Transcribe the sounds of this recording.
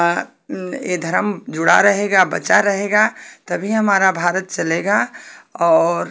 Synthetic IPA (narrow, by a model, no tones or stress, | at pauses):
jed̪ʱɐɾəmd͡ʒʊɽa̰ɾɐɦeːɡabɐt͡ʃaɾɐɦeːɡat̪ɐbʱiɦɐmaːɾabʱaːɾət̪̚t͡ʃɐleːɡaɔːɾ